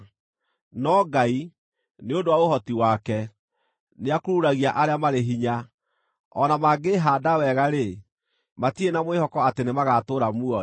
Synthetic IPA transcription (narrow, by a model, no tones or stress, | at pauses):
nɔɡai | neodowaohɔtiwakɛ | neakoɾuɾaɣiaʔaɾeamaɾeɦiɲa | ɔnamaɡeɦaːdawɛɣaɾe | matienamwehɔkɔatenemaɣatoːɾamuɔ